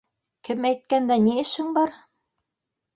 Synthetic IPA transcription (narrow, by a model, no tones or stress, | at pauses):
kɘmæjt̪̚kænd̪æniɘ̆ʃhɘŋbɑɾ